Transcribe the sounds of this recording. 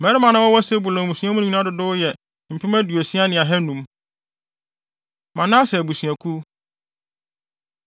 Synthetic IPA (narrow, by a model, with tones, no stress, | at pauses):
mɛ˨˦ɾɪ˦mã˨nã˦wɔ˦wɔ˦sɛ˦bu˨lɔ̃˨bũ˨sũ˨˦a˦mũ˦ñ˦ɲ˦ĩ˦ã˦dʊ˨dʊ˦jɛ˨ | m̩˨pʰi˦mæ˦du˨e˨sĩ˦a˦nɪ̃˨a˨ɦɛ˦nũ˨˦m | mã˨nãː˦sɛ˨bu˨sũ˨ɛ̃˨kʰu˦